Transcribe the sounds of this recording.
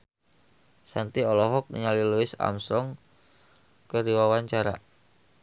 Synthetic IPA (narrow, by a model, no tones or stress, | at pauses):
sant̪iɔlɔɦɔk̚nḭɲaliluɪsa̰msɔŋ | kəɾiwawaɲt͡ʃaɾa̰